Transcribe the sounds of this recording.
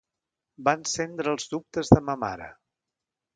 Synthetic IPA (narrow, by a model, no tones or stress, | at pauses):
bansend̪ɾəːlˠzðup̚t̪əzðəməma̰ɾə̰